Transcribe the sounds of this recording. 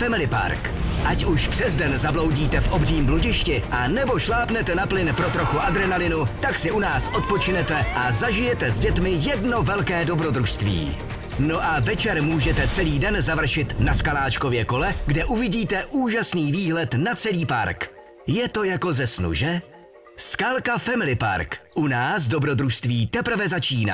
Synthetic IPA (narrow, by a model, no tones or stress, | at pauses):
fɛmɪlɪpa̰ɾk | ʔacuʃpr̝̥ɛzdɛnzablo̞wɟiːt̪ɛfʔobriːmbluɟɪʃcɪʔanɛboʃlaːpnɛt̪ɛnaplɪnpɾot̪ɾo̞xuʔad̪ɾɛnalɪnut̪aksɪʔunaːsʔot̪̚po̞t͡ʃɪnɛt̪ɛʔazaʒɪjɛt̪ɛzɟɛt̪mɪjɛdno̞vɛlkɛːdo̞bɾod̪ɾuʃst̪vḭː | no̞ʔavɛt͡ʃɛɾmuːʒɛt̪ɛt͡sɛliːdɛnzavr̩ʃɪt̪naskalaːt͡ʃko̞vjɛko̞lɛɡdɛʔuvɪɟiːt̪ɛʔuːʒasniːviːɦlɛt̪nat͡sɛliːpa̰ɾk | jɛt̪o̞jako̞zɛsnṵʒɛ | skaːlkafɛmɪlɪpa̰ɾkʔunaːs̬dobɾo̞d̪ɾuʃst̪viːt̪ɛpr̩vɛzat͡ʃiːna̰